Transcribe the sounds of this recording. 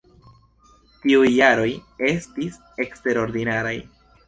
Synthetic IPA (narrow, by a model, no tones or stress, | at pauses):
tiujːaɾo̞je̞stis | e̞kste̞ɾo̞ɾdinaɾaj